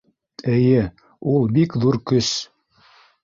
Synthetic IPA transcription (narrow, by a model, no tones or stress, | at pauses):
ɘ̆jɘ | ulˠbikðuɾkɵs